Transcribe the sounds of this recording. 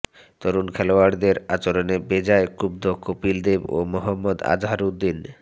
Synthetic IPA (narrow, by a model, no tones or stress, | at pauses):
t̪oɾunkʰɛloaɾd̪eɾat͡ɕoɾonebed͡ʑaekub̚d̪ʱokopild̪ebo̰mɔɦɔmːod̪a̰d͡ʑɦaɾud̪ːin